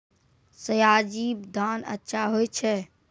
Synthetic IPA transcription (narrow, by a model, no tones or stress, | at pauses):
səjaːd͡ʒiːbd̪aːnə̰tːʃʰaɦojt͡ʃʰɛ